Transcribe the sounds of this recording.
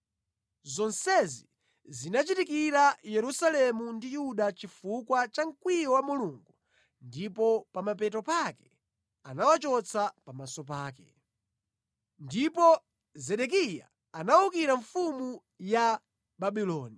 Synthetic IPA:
zɔnsɛzi | zinat͡ʃitikiɾajɛɾusalɛmundijuɗat͡ʃifukwat͡ʃaŋ̩kwijɔwamuluŋɡu | ndipɔpamapɛtɔpakɛ | anawat͡ʃɔt͡sʰapamasɔpaːkɛ̰ | ndipɔ | zɛɗɛk̬ijaː | naukiɾaɱfumu | ja | baɓilɔːni

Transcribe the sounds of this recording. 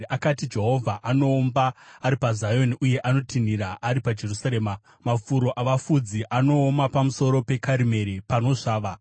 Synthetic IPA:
akatid͡ʒe̞ɦo̞vʱaʔano̞ːmbaːɾipazajo̞niʔuje̞ʔano̞tʰin̤iɾaʔːɾipad͡ʒe̞rusaɾeːma | mafuɾo̞ʔaʋafud͡ziʔano̞ːmapamuso̞ɾo̞pe̞kaɾime̞ɾipano̞ʐaːʋa

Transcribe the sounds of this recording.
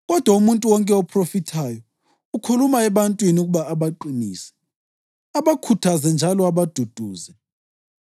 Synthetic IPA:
ɣɔd̥ʱwaumuntʼuwɔŋkʼɛɔpʰrofitʰaːjɔ | ukʰulumaɛβantʼwiniuɣuβaːβaǃiniːsɛ̥ | aβakʰutʰazɛnd͡ʒʱalɔaβad̥ʱud̥ʱuːzɛ

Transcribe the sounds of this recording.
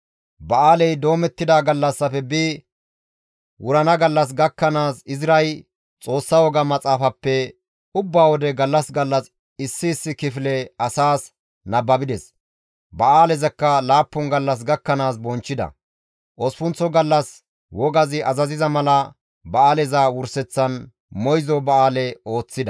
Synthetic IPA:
bɐaːlɛjd̪o̞ːmɛt̪ːɪd̪aːɡɐlːɐsːɐfɛbiː | wʊɾɐnɐɡɐlːɐs̬ɡɐkːɐnaːsɪzɾɐj | t͡sʼo̞ːsːɐwɔɡɐmɐt͡sʼaːfɐpːɛ | ʊbːaːwɔd̪ɛɡɐlːɐsɡɐlːɐs | ɪsːɪːsːɪkɪflɛɐsaːs | nɐbːɐbɪd̪ɛs | bɐaːlɛzɐkːɐlaːpːɔnɡɐlːɐs̬ɡɐkːɐnaːsbɔnt͡ʃːɪd̪ɐ̰ | ʔɔspʊnt͡sːɔɡɐlːɐs | wɔɡɐzɪʔɐzɐzɪzɐmɐlɐ | bɐaːlɛzɐwʊɾsɛt͡sːɐn | mɔjzɔbɐaːlɛo̞ːt͡sːɪd̪ɐ

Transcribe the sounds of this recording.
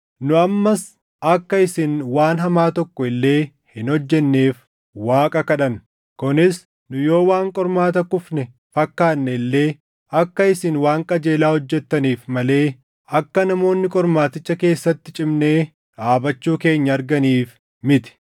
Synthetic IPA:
nʊɐmːɐs | ɐkːɐɪsɪnwaːnɦɐmaːt̪ɔkːɔɪlːe̞ː | hɪnhɔd͡ʒːɛnːe̞ːf | waːkʼɐkɐᶑɐn | kʊnɪs | nʊjo̞ːwaːŋkʼɔɾmaːt̪ɐkʊfnɛ | fɐkːaːnːɛɪlːe̞ː | ɐkːɐɪsɪnwaːŋkʼɐd͡ʒe̞ːlaːhɔd͡ʒːɛt̪ːɐniːfmɐle̞ː | ɐkːɐnɐmo̞ːnːɪkʼɔɾmaːt̪ɪt͡ʃːɐke̞ːsːɐt̪ːɪt͡ʃʼɪmne̞ː | ɾaːbɐt͡ʃːuːke̞ːɲːɐːɾɡɐniːf | mɪt̪ɪ̥

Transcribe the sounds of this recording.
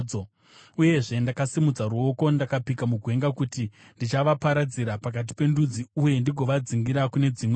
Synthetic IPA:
o | uje̞ʐe̞ndakasimud͡zaɾuo̞ko̞ndakapikamuɡʱwe̞ŋɡakuti | ndit͡ʃaʋapaɾad͡ziɾapak̬at̬i̥pe̞ndud͡ziuje̞ndiɡʱo̞ʋad͡ziŋɡiɾakune̞d͡zimw

